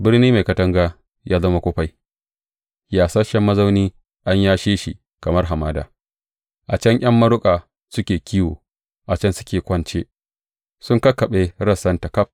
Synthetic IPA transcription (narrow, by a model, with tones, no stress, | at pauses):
bɪ˦rniː˦ma˨jkɐ˨tɐ˦ŋɡaː˦ | jaː˦zɐ˦ma˦kʷo˦ɸa˦j | jaː˨sa˦ʃɐ˦mːɐ˦za˦wniː˦ | ʔa˦ɲjaː˦ʃeː˦ʃi˨ | kɐ˨mɐ˦rɦa˨maː˦da̰ː˨ | ʔa˨t͡ʃɐ˦ŋʔʲɐ˦mːɐ˦ɽʊ˦kʼaː˨ | sʊ˦kʲeː˨kʲiː˦wo̰ː˨ | ʔa˨t͡ʃɐ˦nsʊ˦kʲeː˨kʷɐ˦nt͡ʃe˦ | sʊ˦ŋkɐ˦kɐ˨ɓe˦ɾɐ˦˨sɐ˦ntɐ˨kɐ˦p̚